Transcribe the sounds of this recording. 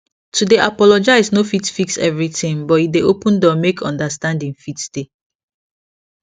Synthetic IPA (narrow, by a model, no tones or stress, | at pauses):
tʰudeʔapɔlɔd͡ʒaɪsnofitfiksɛ̰vɹitĩŋbɔideopũndɔmekʰɔ̰̃ndastãndĩŋfitsd̥e